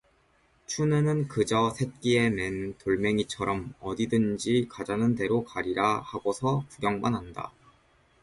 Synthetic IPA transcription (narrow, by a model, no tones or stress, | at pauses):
t͡ɕʰunɯnɯnkɯd͡ʑʌsʰe̞t̚k͈ie̞mentoɭme̞ŋit͡ɕʰʌɾʌmʌdidɯnd͡ʑikad͡ʑanɯnde̞ɾokaɾiɾahaɡosʰʌkuɡjʌŋmanɦanda̰